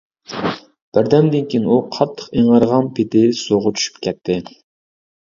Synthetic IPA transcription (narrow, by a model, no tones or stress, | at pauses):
b̥ɪɾd̪ɛnd̪ɪnkʲinuqʰɑt̪ʰːə̥qeŋɑɾʁɑnpʰɪt̪ɪsoʁʊt͡ʃʰy̥ʃy̥pkʲʰɛt̪ʰːɪ